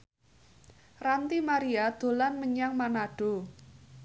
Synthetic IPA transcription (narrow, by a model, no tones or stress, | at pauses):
rant̪imaɾiad̪̥o̤lanməɲaŋmanaɖ̥o̤